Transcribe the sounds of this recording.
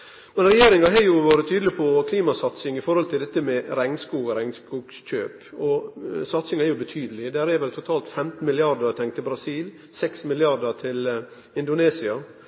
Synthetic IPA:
mɛnɾɛjeːɾɪŋɑɦɑjʊʋɑːɾət̪ʰyːd̪lɪpʰɔkʰliːmɑsɑt̪sɪŋɪfɔɾhɔlt̪ʰɪld̪ɛt̪ːəmɛɾæŋnskuːɡɾæŋnskuːɡc͡çø̰ːpɔsɑt̪sɪŋæɾjʊbət̪ʰyːd̪əlɪd̪æːɾæɾʋɛlt̪ʰʊt̪ʰɑːlt̪fɛmt̪n̩mɪlɪɑd̪əɾt̪ʰɛŋt̪ʰːɪlbɾɑsiːl | sɛksmɪlɪɑɾd̪ət̪ʰɪl | ɪnd̪ʊneːsɪɑ

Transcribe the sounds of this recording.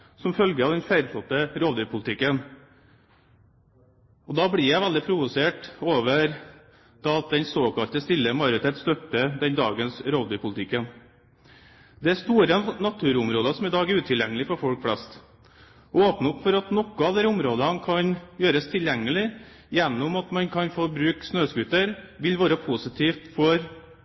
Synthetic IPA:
sɔmfœlɡəɑʋd̪ɛnfæɪɾsɔt̪ːəɾoːd̪ypʰʊlət̪ɪkːən | ɔd̪ɑbɽɪjæɪʋæld̪ɪpʰɾʊʋʊseːʈoːʋəɾ | d̪̥ɑːɑt̪̚d̪ɛnsoːkʰɑlt̪əst̪ɪlːəmɑjʊɾɪt̪ʰeːt̪st̪œt̪ːəd̪ɛnd̪ɑ̰ːɡənsɾoːd̪ʉːpʰʊlət̪ʰɪkːən | d̪ɛæst̪uːɾənɑt̪ʰʉːɾʊmɾoːd̪ɑsɔmɪd̪ɑːɡɛɾʉːt̪ʰɪljɛŋːəlɪfɔɾfɔlkflɛst̪ | ɔoːpnəʊpːfɔɾɑt̪nɔkːʊɑʋd̪æɾʊmɾoːd̪əɑnkʰɑnjøːɾəst̪ʰɪljɛŋːəlɪ | jɛnːʊmɑt̪mɑnkʰɑnfɔbɾʉːksnøːskʉt̪ːəɾʋɪlʋɑːɾəpʰusɪt̪ʰiːft̪fɔɾ

